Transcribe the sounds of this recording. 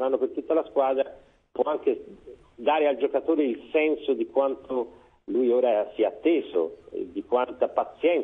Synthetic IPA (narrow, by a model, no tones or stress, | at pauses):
nanːopert̪ut̪ːalaskwaːd̪ɾa | pwɔaŋke | d̪aːɾeald͡ʒokat̪oːɾeilsɛnsod̪ikwant̪ʰo | lujoːɾasiaːt̪ːeːzo̰ḛd̪ikwant̪apat̪sːjɛn